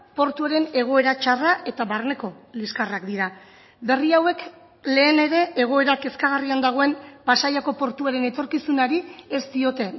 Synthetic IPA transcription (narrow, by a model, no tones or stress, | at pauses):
po̞ɾt̪uaɾe̞ne̞ɣ̞o̞e̞ɾat͡ʃaraʔe̞t̪aβarne̞ko̞liskarakd̪iɾa | be̞riawe̞k | le̞ːne̞ɾe̞ʔeɣ̞o̞e̞ɾake̞skaɣariand̪aɣ̞o̞empasajako̞po̞ɾt̪uaɾe̞ne̞t̪o̞ɾkisunaɾie̞st̪io̞t̪e̞